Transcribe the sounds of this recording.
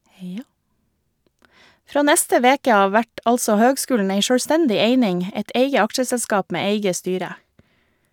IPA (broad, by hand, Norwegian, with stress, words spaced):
ˈfɾoː ˈnɛstə ˈʋeːkə ˈɑːʋ ˈʋæʈ ˈɑlsɔ ˈhøːɡˌskʉːln̩ ˈæɪ ʃøːɽˈstɛndɪ ˈeɪnɪŋ ə ˈɛt ˈeɪɡə ˈɑkʃəsɛlˌskɑːp ˈmeː ˈeɪɡə ˈstyːɾə